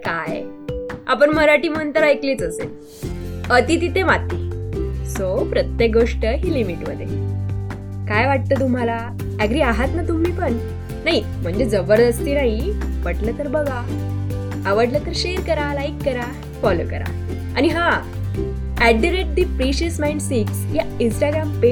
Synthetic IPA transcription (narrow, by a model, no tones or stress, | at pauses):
kaj | a̰pəɳməɾaʈiːm̤ənt̪əɾajkliːt͡səsel | ət̪it̪it̪ẽʋat̪ːiːsopɾət̪jek̚ɡoʂʈəɦiːlimiʈməd̪ʱjḛ | kajʋaʈ̚t̪ət̪̬um̤ala | æɡɾiːaɦat̪nat̪um̤ːiːpəɳ | naɦi | m̤əɳd͡ʑed͡zəbəɾd̪əst̪iːnaɦiʋəʈlət̪əɾbəɡa | əʋəɽlət̪əɾɕeɾkəɾalajkːəɾa | fɔlo̰kə̰ɾa̰ | añiɦa | æɖiɾeʈ̚d̪ipɾiɕiəsmaiɳɖsiksjaĩnsʈaɡɾampe